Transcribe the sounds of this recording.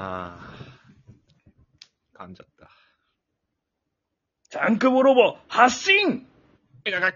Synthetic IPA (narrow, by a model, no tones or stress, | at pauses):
a | kamd͡ʑat̚t͈a | t͡ɕaŋkɯbɯɾobohas͈iŋ | ɡaka